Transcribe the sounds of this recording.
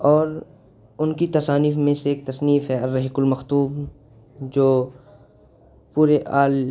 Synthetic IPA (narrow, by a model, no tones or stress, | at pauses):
ɔːɾ | ʊnkit̪ɐsaːniːfmẽseeːk̚t̪ɐsniːfɦɛɐɾːɐɦɪkʊlmɐxt̪uːb̚ | d͡ʒoː | puːɾeʔaːl